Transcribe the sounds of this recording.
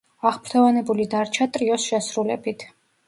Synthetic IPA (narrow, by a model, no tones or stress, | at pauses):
aχpʰɾ̥t̪ʰɔvanɛbulid̪aɾt͡ʃʰat̪ʼɾiɔsʃɛsɾulɛ̰bit̪ʰ